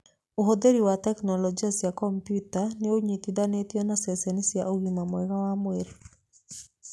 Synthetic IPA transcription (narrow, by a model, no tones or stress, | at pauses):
oɦod̪eɾiwatɛknɔlɔd͡ʒiasjakɔmpjutanɪoɲit̪idanet̪jonasɛsɛnisjaoɡimamwɛɡawamweɾ